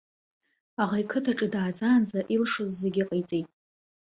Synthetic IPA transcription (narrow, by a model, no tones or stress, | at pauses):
aʁajkʰɨtʰaʈ͡ʂʼɨdaːd͡zaːnzaʔilʂozːeɡʲiqʼejt͡sʼejtʼ